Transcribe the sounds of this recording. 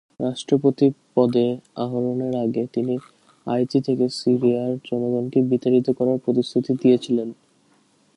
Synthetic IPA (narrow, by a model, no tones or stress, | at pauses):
ɾaʃʈɾopot̪ipɔd̪eaɦoɾoneɾaɡet̪ini | a̰jtit̪ʰekesiɾiaɾd͡ʑɔnoɡɔnkebit̪aɾit̪okɔɾaɾpɾot̪ist̪ʰut̪id̪iet͡ɕʰilen